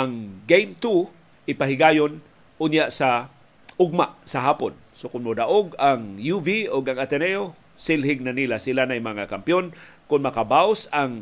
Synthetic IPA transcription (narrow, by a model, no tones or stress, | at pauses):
ʔaŋɡejmt̪u | ʔɪpaɦɪɡajon | ʔʊnjaʔsa | ʔʊɡ̚maʔsɐɦaːpo̰n | sokʊnmod̪aʔoɡaŋjuvioɡaŋat̪ɛnɛo | sɪlɦɪɡ̚nanilasilanajmɐŋakampjonkʊnmɐkabawsaŋ